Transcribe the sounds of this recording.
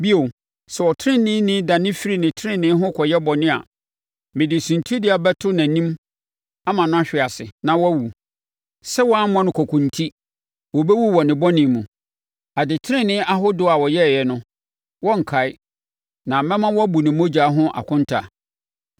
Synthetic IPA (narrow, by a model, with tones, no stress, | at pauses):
bi˦o˨ | sɛ˨wɔ˨tʰɪ˦ɪ̃˦nɪ̃˦nɪ̃˦da˨nɪ̃˦fi˦ɾi˨nɪ̃˨tʰɪ˦ɪ̃˦nɪ̃˦ɦʊ̃˦kʰɔ˨jɛ˦bɔ˨nɪ̃˦a̰˨ | mɪ̃˨dɪ˨sũ˨ntʰu˦dɪ˦a˨bɛ˦tʰʊ˦nã˨nĩ˦m | a˦mã˨nʊ̃˦a˦ɕᶣɪ˨a˨sɪ˨nã˨wɔ˦æ˦wu˨ | sɛ˦wɔ˦a˦m˦ɔ̃˦nʊ̃˨˦kʰɔ˨kʰʊ̃˨n˨tʰi˦ | wɔ˨bɛ˦wu˦wɔ˨nɪ̃˨bɔ˦nɪ̃˨mũ˨ | a˨dɪ˨tʰɾɪ̃˦nɪ̃˦ʔa˦ɦʊ˦dʊ˨˦a˨wɔ˨jɛ˦˨jɛ˨nʊ̃˦ | wɔ̃˦ŋ̩˨kʰa˨ɪ˦ | nã˨mɛ̃˦mã˦wɔ˦æ˦bu˨nɪ̃˨mõ˦d͡ʑa˨˦ɦʊ̃˦ʔa̰˨kʰʊ̃˦ntʰa˨